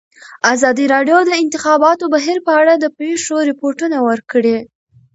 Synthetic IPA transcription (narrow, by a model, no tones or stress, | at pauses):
azɑd̪iɾɑɖjod̪əɪnt̪ɪxɑbɑt̪obaɦiɾpəaɽad̪əpɾeʂoɾɪpoɾʈunawəɾkɽe